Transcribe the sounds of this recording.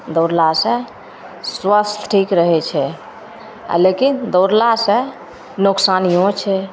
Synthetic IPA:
d̪ɔɾlasə̃ | swəst̪ʰʈʰikɾəɦɛt͡ʃʰɛ | a̰lekind̪oɾlasə̃ | noksanijõt͡ʃʰɛ

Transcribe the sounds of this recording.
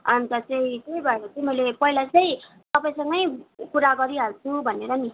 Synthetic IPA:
ʌnt̪ʌt͡sʌĩkebʱʌeɾʌt͡sʌĩmʌjlepʌilat͡sʌĩ | t̪ʌpaĩsʌŋɡʌjkuɾaɡʌɾiɦalt͡sʰubʱʌneɾʌni

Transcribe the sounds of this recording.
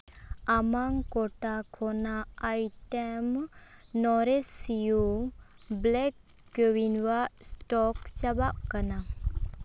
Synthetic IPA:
amaŋkɔʈakʰɔnaːjtemnɔɾesiju | blɛkː | ewinwastɔkt͡ʃabaʔ̚kana

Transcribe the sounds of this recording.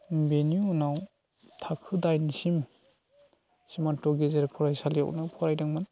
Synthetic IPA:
beniunaw | tʰakʰɯdajnisim | simantɔɡezeɾpʰɔɾajsalija̰wʔnɯpʰɔɾajdaŋman

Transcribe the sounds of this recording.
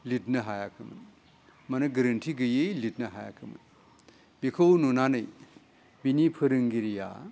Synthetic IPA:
lit̚nɐɦajakʰɯmɐ̰n | mɐnɐɡɐɾɐntʰiɡɯjejlit̚nɐɦa̰ja̰kʰɯmɐ̰n | bikʰɐwnunanɯj | binipʰɯɾɯŋɡiɾija̰

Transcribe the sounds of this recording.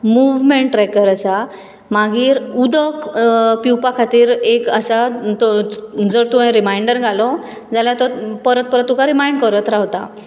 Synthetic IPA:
muʋmeɳʈʈɾɛkəɾasa | maɡiːɾud̪əkpiwpakʰat̪iːɾekəsat̪d͡zəɾt̪uʋ̤ãj̃ɾimajɳɖəɾɡʱalɔ | d͡zaljat̪ɔpəɾət̪̚pəɾət̪ːukaɾimajɳɖkəɾət̪ɾaɦt̪a̰

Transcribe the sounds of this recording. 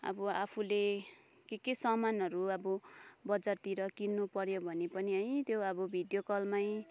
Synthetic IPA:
ʌ̰bʌapʰule | kekesʌmanʌɾuʌbʌbʌd͡zart̪iɾʌkinːupʌɾjobʱʌnepʌniɦʌj̃t̪joʌbʌbʱid̪jokʌlmaj̃

